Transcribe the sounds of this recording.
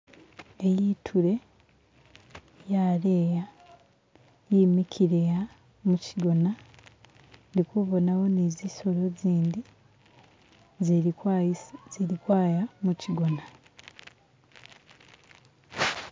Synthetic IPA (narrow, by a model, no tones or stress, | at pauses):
ejitʰuɾe̞ | jaɾeːja | jiːmicʰiɾeja | muciɡo̞na | ndikuβo̞nawo̞niziso̞ɾo̞ziːndi | z | ziɾikwaːjamuciɡo̞na